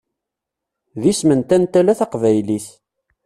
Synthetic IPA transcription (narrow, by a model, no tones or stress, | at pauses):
ðismənt̪ænt̪ælæθɑqvæjliθ